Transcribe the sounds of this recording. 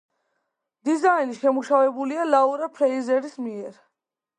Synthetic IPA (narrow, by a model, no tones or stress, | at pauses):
d̪̥izainiʃɛmuʃavɛbulialauɾapʰɾɛizɛɾismiɛɾ